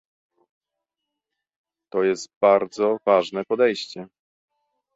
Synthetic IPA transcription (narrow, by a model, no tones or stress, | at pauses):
t̪ɔjɛst̪baɾd̪zɔvaʐnɛpɔd̪ɛjɕt͡ɕɛ